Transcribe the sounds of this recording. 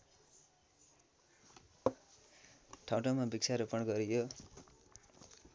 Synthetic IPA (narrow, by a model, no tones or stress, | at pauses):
ʈʰawʈomabikt͡sʰaɾupʌɳɡʌɾijo